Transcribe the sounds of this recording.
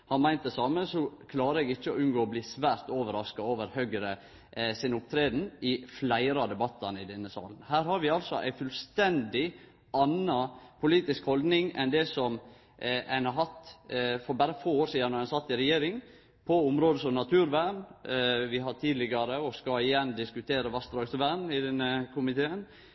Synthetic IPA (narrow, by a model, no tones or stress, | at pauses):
hɑnmæɪnt̪̚d̪ɛsɑːməsɔkʰlɑːɾəɛɡɪçːəɔʉnɡoːɔbliːsʋæːɾt̪oːʋəɾɑskɑoːʋəɾhøːɡɾə | sɪnʊp̚t̪ʰɾeːd̪n̩ɪflæɪɾɑd̪ɛbɑt̪ːɑnəɪd̪ɛnːəsɑ̰ːlən̩hæːɾhɑɾʋɪɑlsɔʔæ̰ɪfʉlst̪ɛnd̪ɪ | ɑnɑpʰʊliːt̪ɪskhɔld̪nɪŋɛnd̪ɛsɔm | æɪnhɑɾɦɑt̪fɔɾbæɾəfoːoːɾsiːd̪ɑnɔɾhænsɑt̪ːɪɾɛjeːɾɪŋ | pʰɔʊmɾoːd̪əsɔmnɑt̪ʰʉːɾʋæːɳʋɪɦɑʈ̪ʰiːd̪lɪɡɑɾəɔskɑɪjɛnd̪ɪskʉt̪ʰeːɾəʋɑst̪ɾɔsəʋæːɳɪd̪ɛnːəkʰʊmɪt̪ʰeːən